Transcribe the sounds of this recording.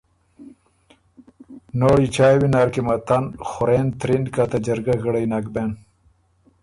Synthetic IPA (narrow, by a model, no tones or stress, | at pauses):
noːɽit͡ɕaːjwinaɾkimɐt̪ɐnxuɾeːnt̪ɾindkat̪ɐd͡ʑɐɾɡɐɣɐɽɐjnakben